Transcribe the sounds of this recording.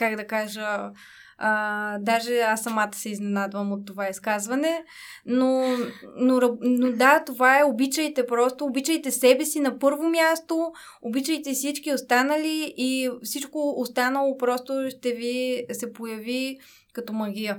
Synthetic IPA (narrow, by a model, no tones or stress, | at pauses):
kaɡd̪ɐkaʒəː | d̪aʒɛasːɐmat̪ə̥sɛiznɛnad̪vɐmot̪ːovaiskazvɐnɛ | nonoɾɐnod̪at̪ovaɛobit͡ʃəjt̪ɛpɾɔst̪oːbit͡ʃəjt̪ɛsɛbɛsinɐpɤɾvomjast̪o | obit͡ʃəjt̪ɛfsit͡ʃkiost̪anɐliifsit͡ʃkoːst̪anɐlˠopɾɔst̪oʃt̪ɛvisɛpojɐvi | kɐt̪ɔmɐɡ̟ʲiə